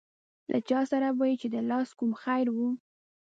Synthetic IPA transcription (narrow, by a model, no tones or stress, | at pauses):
lʔa̰t͡ʃɑsaɾawɑjit͡ʃed̪əlɑskumxajɾwu